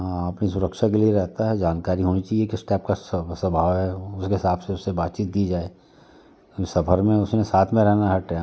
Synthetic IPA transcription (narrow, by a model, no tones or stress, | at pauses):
ɐpnisʊɾəkʃakelieɾɛɦt̪aɦɛd͡ʒaːnkaːɾiɦoːnit͡ʃaːɦiekisʈɛːp̚kasɐbʱaːʋɦɛʊskeɦɪsaːpseʊsːebaːt̪t͡ʃiːt̪̚kid͡ʒaːeː | sɐbʰəɾmẽʊsnẽsaːt̪ʰmẽɾɛɦnaɦɐʈːa